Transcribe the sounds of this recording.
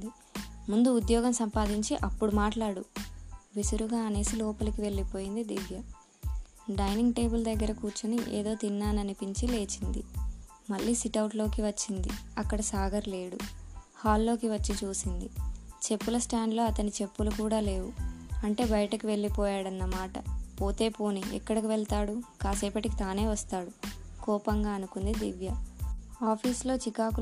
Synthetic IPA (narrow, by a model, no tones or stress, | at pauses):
d̪i | mund̪uːd̪jɔːɡɐmsɐmpaːd̪iɲt͡ʃiʔɐpːuɽumaːʈlaːɽuʋisuɾuɡaːɐne̞ːsilɔːpɐlɐkiʋe̞ɭːipo̞ːjind̪id̪iʋjɐ | ɖɐjniŋɡʈe̞ːbuld̪ɐɡːɐɾɐkuːɾt͡ʃɐniʔḛːd̪o̞ːt̪inːaːnɐnipiɲt͡ʃile̞ːt͡ʃind̪ḭ | mɐɭːiːsiʈɐwʈlo̞ːkiʋɐt͡ʃːind̪ḭɐkːɐɽɐsaːɡɐɾle̞ːɽu | haːlːo̞ːkiʋɐt͡ʃːit͡ʃuːsind̪it͡ʃe̞pːulɐsʈaːɳɖlo̞ːɐt̪ɐnit͡ʃe̞pːulukuːɽaːle̞ːʋuɐɳʈe̞ːbɐjɐʈɐkiʋe̞ɭːipɔːjaːɽɐnːɐmaːʈɐ̰po̞ːt̪e̞ːpo̞ːniʔɛ̰kːɐɽɐk̬iʋeɭt̪aːɽukaːsɛːpɐʈikit̪aːne̞ːʋɐst̪aːɽukɔːpɐŋɡaːɐnukund̪id̪iʋjɐaːpʰiːslo̞ːt͡ʃikaːku